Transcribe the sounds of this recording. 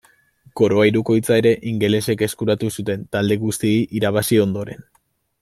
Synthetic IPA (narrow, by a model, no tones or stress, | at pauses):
ko̞ɾoajiɾuko̞jt͡sae̞ɾe̞ʔiŋɡe̞le̞se̞ke̞skuɾat̪usut̪e̞nt̪ald̪e̞ɣust̪ieiʔiɾaβ̞asio̞nd̪o̞ɾe̞n